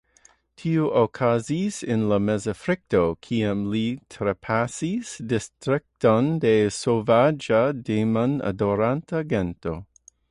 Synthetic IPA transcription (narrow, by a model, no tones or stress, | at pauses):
tʰiuʔokʰazisɪnlamezafɾɪk̚tokʰiamlitʰɾepʰasisdɪstɾɪk̚tondesovad͡ʒademana̰doɾantaɡɛnto